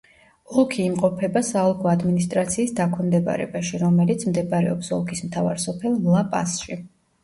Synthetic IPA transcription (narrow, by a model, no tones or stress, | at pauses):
ɔlˠkʰiːmqʼɔpʰɛbasaːlˠkʰɔad̪minist̪ʼɾat̪sʰiːsd̪akʰɛmd̪ɛba̰ɾɛ̰baʃiɾɔmɛlit̪sʰmd̪ɛbaɾɛ̰ɔpsɔlˠkʰismt̪ʰava̰ɾsɔpʰɛlˠmlˠapʼa̰sʃi